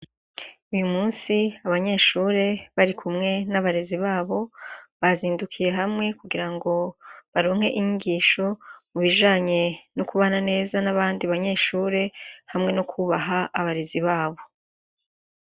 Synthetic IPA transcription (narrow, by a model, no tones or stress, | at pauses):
ujumuːnsiaβaɲe̞ʃuːɾe̞βaɾikʰumŋe̞naβaɾe̞ziβaːβo̞βaziːndukʰije̞ɦamŋe̞kuɡiɾaŋɡo̞βaɾo̞ːŋ̥he̞̰ʔiɲuɡiːʃo̞muβiʒaːɲe̞nokuβanane̞ːzanaβaːndiβaɲe̞ʃuːɾe̞hamŋe̞nokʰuβaɦaːβaɾe̞ziβaːβo̞